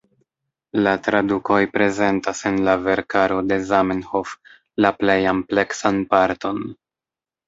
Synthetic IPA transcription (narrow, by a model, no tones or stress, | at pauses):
latɾaduko̞jpɾe̞ze̞ntase̞nlave̞ɾkaɾo̞de̞zamenho̞f | laple̞jample̞ksanpaɾto̞n